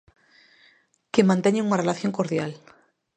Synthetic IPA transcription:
kemãnt̪eɲeŋunarelaθjo̞ŋkoɾðjal

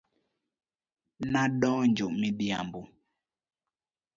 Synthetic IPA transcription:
naɗɔnd͡ʒoʔmidia̰mbu

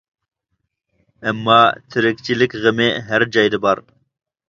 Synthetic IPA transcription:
æmːɑːt̪ʰɨɾɪk̚t͡ʃʰilɪkɣəmeːɦɛɾd͡ʒɑjd̪ɨbɑɾ

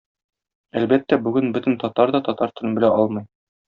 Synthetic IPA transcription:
ælbæt̪ːæbʉɡɘnbɵt̪ɘ̆nt̪ɒt̪ɑɾd̪ɒt̪ɒt̪ɑɾst̪ʰɵ̆ɾɤbɘ̆læʔɒlˠmɤ̆j

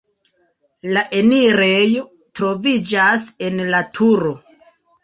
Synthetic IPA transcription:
laʔe̞niɾejo | tɾo̞vid͡ʒase̞nlatʰuɾo̞

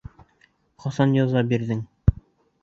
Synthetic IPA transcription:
χɑsɑnjɑzɑbiɾðɘŋ

